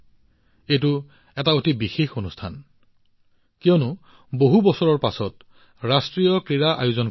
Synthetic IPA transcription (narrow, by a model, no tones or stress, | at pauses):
ejtʊ | ɛtaotibixexonustʰan | kijɔnʊ | boɦubɔsɔɹɔɹpasɔt | ɹastɹijɔkɹiɹaʔa̰juzɔn